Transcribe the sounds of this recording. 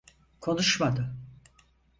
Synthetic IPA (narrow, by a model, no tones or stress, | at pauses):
kʰo̞nuʃmad̪ɯ